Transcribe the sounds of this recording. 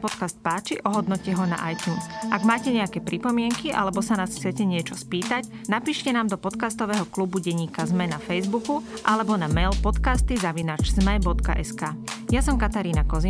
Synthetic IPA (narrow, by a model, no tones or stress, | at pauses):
pɔt̪kast̪̚paːt͡ʃiʔɔɦɔd̪nɔcɛɦɔna̰ʔajt̪juːnsʔaɡmaːcɛɲɛakɛːpɾipɔmɪɛŋkiʔa̰lɛbɔsanaːsxt͡sɪɛcɛɲɪɛt͡ʃɔspiːt̪ac | napiːʃcɛnaːmd̪ɔpɔt̪kast̪ɔʋɛːɦɔklubuɟɛɲːiːkazmɛnafɛjzbukuʔalɛbɔnamɛjlpɔt̪kast̪izaʋinaːd͡ʒzmɛbɔt̪ka̰ʔɛskaːjasɔmkat̪aɾiːnakɔzi